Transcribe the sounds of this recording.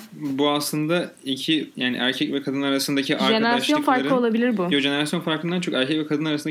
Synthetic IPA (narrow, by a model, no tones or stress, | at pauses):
buaslˠɯnd̪aicʰijaːnḭʔæ̰ɾcʰɛcvɛkʰad̪ɯnaɾasɯnd̪acʰiʔaɾd͡ʒeeɾasʃjo̞nfaɾɾlˠɯo̞lˠabilʲiɾbʊjod͡ʒe̞ne̞ɾasjo̞nfaɾkɯnd̪ant͡ʃʰøkæɾcʰɛcvɛkad̪ɯnaɾasɯnd̪a